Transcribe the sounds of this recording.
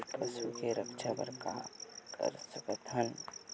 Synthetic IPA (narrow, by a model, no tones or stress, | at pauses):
pəsukeɾəkt͡ʃʰapə̰ɾka̰kʰə̰ɾsəkət̪ɦən